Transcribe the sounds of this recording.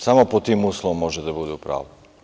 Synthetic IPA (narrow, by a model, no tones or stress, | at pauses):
samɔpɔt̪iːmuːslɔɔmːɔʒɛd̪ɛbud̪uːpɾa̰ːʊd̪